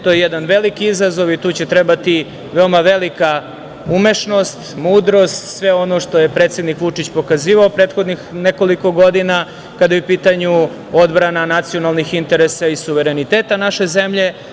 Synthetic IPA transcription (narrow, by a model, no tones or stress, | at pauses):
t̪ojejed̪anʋe̞likiizazo̞ʋit̪uːt͡ɕe̞t̪ɾebat̪i | ʋe̞omaʋe̞lika | ume̞ʃno̞st̪muːd̪ɾo̞st̪sʋe̞o̞no̞ʃt̪o̞je̞pɾet̪sje̞d̪nikʋut͡ʂit͡ɕpo̞kaziːʋaopɾeːt̪xo̞d̪nixne̞ko̞liko̞ɡo̞d̪ina | kad̪ajupiːt̪aɲu | od̪bɾananat̪sijo̞nalˠnixint̪e̞ɾesaisuʋe̞ɾe̞nit̪eːt̪anaʃe̞ze̞mʎe̞